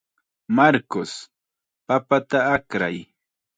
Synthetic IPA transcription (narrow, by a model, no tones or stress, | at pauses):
maɾkos | papat̪aakɾa̰j